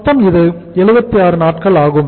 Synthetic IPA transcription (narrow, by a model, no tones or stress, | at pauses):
t̪ːɐmɪðɯ | ɛɻɯbɐt̪ːiaːɾɯnaːʈkɐɭaːɣɯm